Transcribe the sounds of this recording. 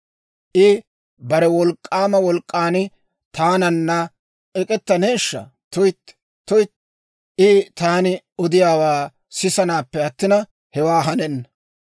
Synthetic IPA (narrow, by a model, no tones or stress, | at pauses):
ʔɪ | bɐɾɛwɔlkʼːaːmɐwɔlkʼːaːnɪ | t̪aːnɐnːɐ | ɛkʼɛt̪ːɐneːʃːɐ̰ | t̪ʊjt̪ː | t̪ːʊjt̪ | ʔɪt̪aːnɪ | ɔd̪ɪjaːwaː | sɪsɐnaːpːɛɐt̪ːɪnɐ | hɛwaːɦɐnɛnːɐ